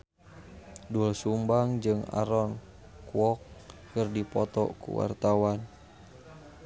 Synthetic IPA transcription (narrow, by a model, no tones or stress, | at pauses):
dulsumbaŋd͡ʒɨŋa̰ɾɔn | kuɔk̚ː | ərdipɔt̪ɔ̰kṵwa̰rt̪awan